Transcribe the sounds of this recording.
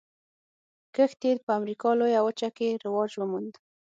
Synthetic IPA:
kəxt̪ed̪̚pəamɾikɑlojawət͡ʃakeɾɪwɑd͡ʒwəmund̪

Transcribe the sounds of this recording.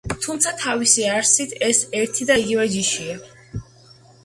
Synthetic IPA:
t̪ʰumt̪sʰat̪ʰavisiaɾsit̪ʰɛsɛɾt̪ʰid̪aiɡivɛd͡ʒiʃia

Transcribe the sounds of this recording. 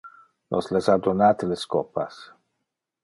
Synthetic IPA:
nʔoslesad̪onaːt̪eleskɔpa̰s

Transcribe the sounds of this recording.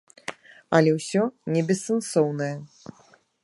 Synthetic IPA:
ɐlʲɛwsʲɔnʲɛbʲɛsːɛnsɔwnɐjɐ

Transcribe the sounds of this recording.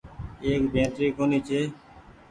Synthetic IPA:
eːkbʱẽːt̪ɾiːkoːniːt͡ʃʰeː

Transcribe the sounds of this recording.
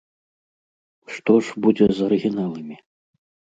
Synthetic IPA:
ʂt̪ɔʂbud͡zʲɛzɐɾɨɣʲinalˠɨmʲi

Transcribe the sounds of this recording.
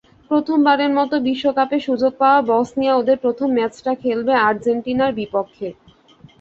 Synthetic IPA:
pɾot̪ʰombaɾeɾmɔt̪obiʃːokapeʃud͡ʑoɡ̚paoabɔsnijaod̪eɾpɾot̪ʰomːɛt͡ɕʈakʰelbeaɾd͡ʑeɳʈinaɾbipokʰːe

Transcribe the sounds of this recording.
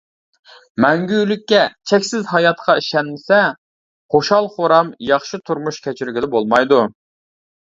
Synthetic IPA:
mɛŋɡʲylykʲːɛt͡ʃʰɛkʲsɪzɦɑjɑt̪qʰɑiʃɛnmɪsɛ | χoʃɑlˠχoɾɑmjɑχʃit̪ʰuɾmuʃkʲʰɛt͡ʃʰiɾɡʲid̪bolˠmɑjd̪u

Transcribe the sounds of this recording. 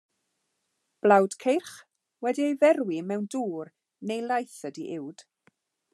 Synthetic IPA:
b̥lˠawd̥kʰejrχ | wɛdiejvɛrwimɛwnduːr | nejlˠajθədiʔɪwd̥

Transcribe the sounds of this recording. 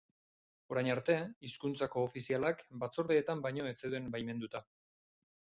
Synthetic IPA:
o̞ɾajɲaɾt̪e̞iskunt͡sako̞ːfisialakbat͡so̞ɾðeːt̪ambajɲo̞et͡seðue̞mbajme̞nd̪ut̪a

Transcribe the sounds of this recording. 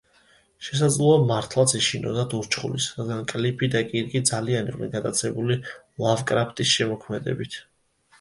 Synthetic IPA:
ʃɛs̬ad̪zlˠɔamaɾt̪ʰlˠat̪sʰiʃinɔ̰d̪ad̪uɾt͡ʃʰχṵlisɾad̪ɡankʼlipʰid̪akʼiɾkʼid̪zalianiʁʼnḭɡad̪at̪sʰɛbuli | lˠavkʼɾapʰt̪ʼisʃɛmɔkʰmɛd̪ɛ̰bit̪ʰ

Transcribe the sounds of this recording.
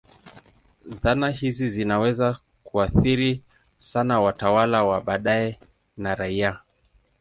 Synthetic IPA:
ðanahizizinawɛza | kuaθiɾi | sanawatawalawaɓaɗaɛ | naɾaia

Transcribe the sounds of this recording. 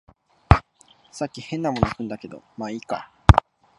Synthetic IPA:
sakʲːihẽ̞nːamo̞nokɯ̟̃nd̪ake̞d̪o̞̰maika̰

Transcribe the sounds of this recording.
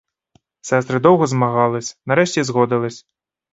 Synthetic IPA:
sʲast̪ɾɨd̪ɔwɣɐzmaɣalˠɐsʲnaɾɛʂt͡sʲɛzɣɔd̪ɐlˠɐsʲ

